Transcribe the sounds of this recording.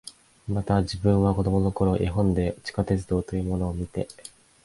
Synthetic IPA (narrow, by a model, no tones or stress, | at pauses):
mat̪aʑibɯ̟̃ɰ̃βako̞d̪o̞mo̞no̞ko̞ɾo̞ʔiɦõ̞nd̪e̞t͡ɕi̥kat̪e̞t͡sɨd̪o̞ːt̪o̞jɯ̟ːmo̞no̞ːmʲit̪e̞